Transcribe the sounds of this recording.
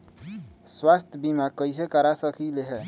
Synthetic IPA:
swast̪ʰjəbimakəjs̬ekəɾasəkʰileɦɛ

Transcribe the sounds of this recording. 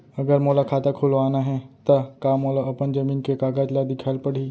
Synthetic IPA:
ɐɡəɾmoːlakʰaːt̪akʰʊlʋaːnaɦɛt̪ɐkaːmoːlaɐpənd͡ʒɐmiːnkekaːɡaːd͡ʒlad̪ɪkʰalpɐɽiː

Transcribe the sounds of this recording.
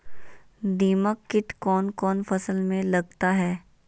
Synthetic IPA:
d̪iːməkːɪʈkɔːnkɔːnfɐsəlmẽlɐɡt̪aɦɛː

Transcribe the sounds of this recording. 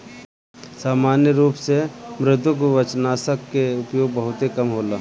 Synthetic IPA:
saːmaːnjəɾuːpsemɾɪt̪ʊk̬oʋət͡ʃnaːsəkːeʊpjoːɡ̚bəɦʊt̪ekɐmɦoːlaː

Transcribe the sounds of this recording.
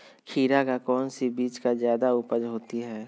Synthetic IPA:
kʰiːɾakakɔːnsibiːt͡ʃkazjaːd̪aʊpəd͡ʒɦoːt̪iɦɛː

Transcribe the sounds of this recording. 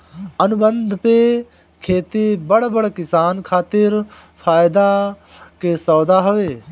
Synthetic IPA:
ɐnʊbə̃nd̪ʱpe | kʰeːt̪ibəɽbəɽkɪsaːnkʰaːt̪ɪɾ | pʰaːjd̪a | kesɔːd̪aɦoʋeː

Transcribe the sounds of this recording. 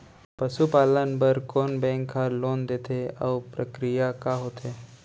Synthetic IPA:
pəʃupaːlənbəɾkoːnbɛ̃ŋkːaloːnd̪eːt̪ʰeə̰ʋpɾəkɾijakaɦoːt̪ʰe

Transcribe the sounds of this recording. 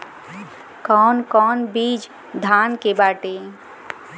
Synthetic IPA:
kɔːnkɔːnbiːd͡ʒ | d̪ʱaːnkebaːʈe

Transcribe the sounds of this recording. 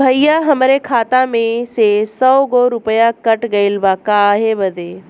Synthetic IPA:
bʱɐijaɦɐmɾekʰaːt̪amẽsesɔːɡoɾʊpəjakɐʈɡɐilʋaːkaːɦebɐd̪ʱeː

